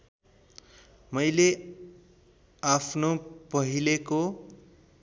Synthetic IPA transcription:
mʌjle | apʰnopʌɦileko

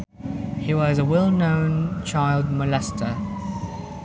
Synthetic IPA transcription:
hiwɒzəwɛlˠnə̃ʊ̃nt͡ʃʰaɪlˠd̚məlɛstʰə

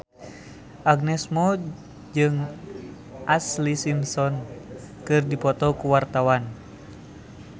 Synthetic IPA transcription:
ʔaɡ̚nɛsmɔ | d͡ʒɨŋ | ʔaslisimsɔn | kɨrdipɔt̪ɔkuwart̪awan

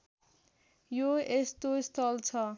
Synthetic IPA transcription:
joest̪oist̪ʰʌlt͡sʰʌ

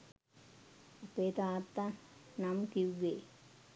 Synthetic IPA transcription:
ɐpːet̪aːt̪ːanamkiʋːe

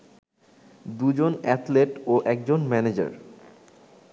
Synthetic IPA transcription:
d̪ud͡ʑonɛt̪leʈoʔɛk̚d͡ʑonmɛned͡ʑa̰ɾ

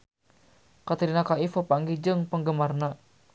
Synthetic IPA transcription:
kat̪iɾinakaifopaŋɡid͡ʒəŋpəŋɡəmarna

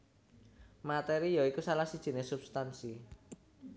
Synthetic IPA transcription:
mat̪ɛɾijɔikusalahsid̥ʒ̥i̤nesub̥st̪ansi

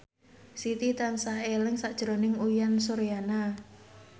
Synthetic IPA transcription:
sit̪it̪ansahelɪŋsaʔd̥ʒ̥ɾonɪŋuijansoɾjana

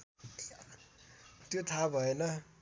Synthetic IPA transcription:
t̪jot̪ʰabʱʌenʌ

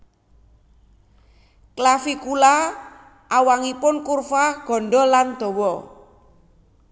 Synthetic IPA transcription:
klafikula | ʔawaŋipʊnkurfaɡ̥ɔ̤ɳɖɔland̪̥o̤wɔ

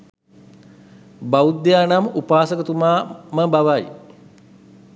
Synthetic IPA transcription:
baud̪jaːnamupaːsəkət̪umaːməbaʋaj

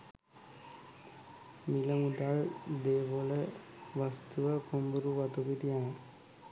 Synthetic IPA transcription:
miləmud̪aɭd̪eːʋolə | ʋast̪uʋəkombuɾuʋat̪ubit̪ijan

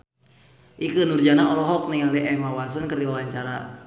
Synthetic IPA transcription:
ʔikənurd͡ʒanaɔlɔɦɔk̚nɛjaləʔɛmawas̬ɔnkərdiwawaɲt͡ʃaɾa̰

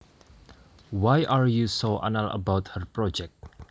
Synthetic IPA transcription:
wajʔaɹjusoʔã̰nələ̰bawt̚hərpɹɔd͡ʒɛk̚t̚

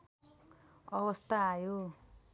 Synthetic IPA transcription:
ʌbʌst̪aajo

